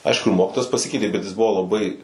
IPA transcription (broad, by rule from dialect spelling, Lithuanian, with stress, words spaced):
ˈɐɪʃkʊ ɪr ˈmoːkʲɪtoːjɛs pɐˈsʲɪkʲɛɪtʲeː bʲɛt jɪs ˈbʊʋoː lˠɐˈbɐɪ